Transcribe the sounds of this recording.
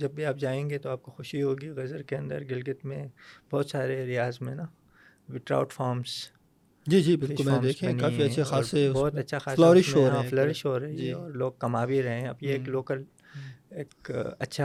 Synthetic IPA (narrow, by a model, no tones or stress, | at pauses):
d͡ʒɐbːʱiaːp̚d͡ʒaːẽːɡet̪oaːp̚koxʊʃiɦoːɡiɣɐzəɾkeɐ̃nd̪ə̰ɾɡɪlɡət̪mẽbɔːt̪saːɾeɾɪjaːzmẽna | ʋɪʈɾa̰ːʊʈfaːɾms | d͡ʒiːd͡ʒiːbɪlkʊɛaːmd̪eːkʰẽɐnaːfiɐ̃ʃʰeaːɾebɔːt̪ɐtːʃʰaxaːslɔːɾɪʃɦoaflɔːɾɪʃɦoɾɐɦiɛ̃ɔːɾloːɡ̚kɐmaːbʱiɾɐɦẽɦɛ̃ɐ̰bjeeːkloːkəl | eːkɐtːʃʰa